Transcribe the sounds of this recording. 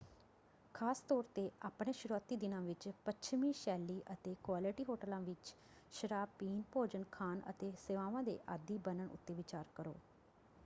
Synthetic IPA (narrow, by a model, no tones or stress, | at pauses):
kʰaːst̪ɔːɾt̪eːaːpɽeːʃəɾuaːt̪iːd̪ɪnãːʋɪt͡ʃpət͡ʃʰmĩːʃɛːlːiːʔət̪eːkwaːlɪʈiːɦoːʈəlãːʋɪt͡ʃ | ʃəɾaːpiːnpoːd͡ʒənkʰaːnə̰t̪eːseːʋãːʋãːd̪ḛːʔaːd̪iːbənəɳʊ̰t̪ːeːʋɪt͡ʃaːɾkəɾo̰ː